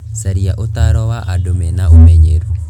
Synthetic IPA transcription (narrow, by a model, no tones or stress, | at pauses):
saɾijaʔot̪aɾɔwaʔadomenaomeɲeɾu